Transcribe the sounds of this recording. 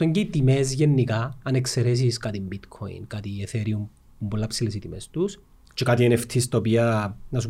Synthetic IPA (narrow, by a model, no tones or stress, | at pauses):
eɲɟeit̪ime̞zʝenːikɐːnekseɾes̬iskat̪imbit̪kʰo̰ḭnkat̪ieθeɾium | pumbolːɐpsilesit̪imest̪us | t͡ʃekat̪ieneft̪ʰist̪ɐopiɐnɐsu